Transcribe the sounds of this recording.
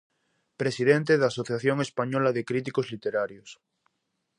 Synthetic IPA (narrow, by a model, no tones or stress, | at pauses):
pɾesiðẽnt̪eðaːsoθjaθjoŋespaɲolaðekɾit̪̬ikozlit̪eɾaɾjos